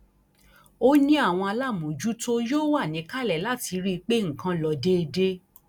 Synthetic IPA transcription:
o˦nĩ˦a˦˨w̃ɔ̃˧a˧la˦˨mũ˨d͡ʒu˦to˦joː˦wa˦˨nĩ˨˦ka˦˨lɛ˦˨la˦˨ti˨˧˦ɾi˦˧k͡pe˦ŋ̩˨kã˧˦lɔ˧de˦˧de˦

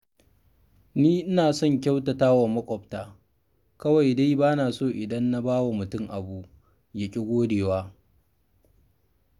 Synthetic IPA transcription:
niː˦ʔɪ˦naː˨sɔ˦ŋk̬ʲa˦wtɐ˨taː˦wa˨mɐ˦kʷʼɔ˨ɸtaː˦ | kɐ˦wa˨jda˦jbaː˦naː˨soː˦˨ʔɪ˨dɐ˦nːa˦baː˦wa˨mʊ˨tʊ˦ŋʔa˨bu˦ʔ | jɐ˨kʲʼɪ˦ɡʷoː˦deː˨waː˦

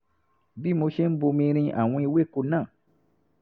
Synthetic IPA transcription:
bi˦˨mõ˧˦ʃe˦m̩˦bo˧mĩ˧˦ɾĩ˧˦ʔa˨wĩ˦˧˦we˦˨ko˧nã˦˨

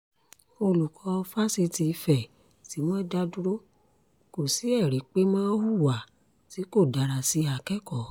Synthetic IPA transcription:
o˧lu˨kʰɔ˧˦˧fa˦si˧ti˧fɛ˨ | ti˨˦mɔ̃˦da˦dũ˦ɾo˦ | ko˨si˨˦ɛ˦˨ɾi˨˦k͡pe˦mɔ̃˦hu˦˨wa˨ | ti˨˦ko˦˨da˨˧ɾa˧si˧˦a˧˨kɛ˦kɔ˦˨

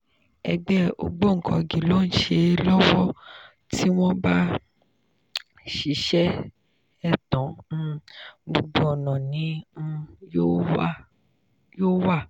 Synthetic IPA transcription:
ɛ̰˧ɡ͡bɛ˦o̰˧ɡ͡bo˦˨ŋ̩˨kʰɔ̰̃˧˨ɡi˨lo˦˨n̩˦ʃe˧lɔ˦wɔ˦ | ti˦w̃ɔ̃˦ba˦ | ʃi˨˦ʃɛ˦ | ɛ˦˨tɔ̃˨˦ | mo˧ɡ͡bo˧˦ɔ˨nɔ̃˨nĩ˨˦˧ | jo˦˨ | joː˦wa˦˨

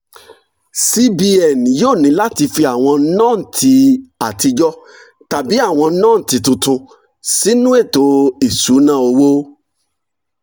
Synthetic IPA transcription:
si˦bi˧ɛ˨n˨joː˦˨nĩ˨˦la˦ti˧fi˧a˨w̃ɔ̃˧˦nã˦˨n̩˨tʰi˧a˨ti˧d͡ʒɔ˦ | ta˨bi˨˦a˦˨w̃ɔ̃˧˦nãː˦˨n̩˨ti˨˧tũ˧tũ˧ | si˦nũ˦e˦˨to˨˦i˨su˨˦nã˦˨o˧wo˦

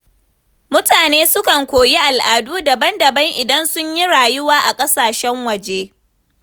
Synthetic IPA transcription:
mʊ˦taː˨neː˦sʊ˦kɐ˨ŋkʷoː˨ji˦ʔa˨lʔaː˨duː˦dɐ˨bɐ˦ndɐ˨bɐ˦ŋʔɪ˨dɐ˦nsʊ˦ɲji˦ɽaː˨jʊ˦waː˦ʔa˨kʼɐ˦saː˨ʃɛ˦ŋwɐ˨d͡ʒeː˦

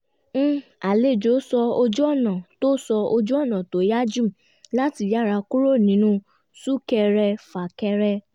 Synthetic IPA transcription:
a˨le˨˦˨d͡ʒo˨˦sɔ˧o˧d͡ʒu˦ɔ˦˨nã˨to˦sɔ˧o˧d͡ʒu˦ɔ˦˨nã˨to˨˦ja˦d͡ʒũ˦˨ | la˦ti˧˨ja˦˨ɾa˧ku˦ɾo˦˨nĩ˨˦nũ˧ | su˦kɛ˧ɾɛ˧fa˨kɛ˧ɾɛ˧

